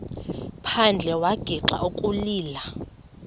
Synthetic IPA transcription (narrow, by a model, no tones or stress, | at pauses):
pʰand͡ɮʱɛwaɡ̥ʱiǁa̰ʔukʼuliːla